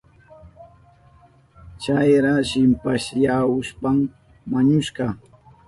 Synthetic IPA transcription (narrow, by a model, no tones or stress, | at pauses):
t͡ʃajɾaʃɪmpaʃjaʊspam | mːaɲʊʃɢɑ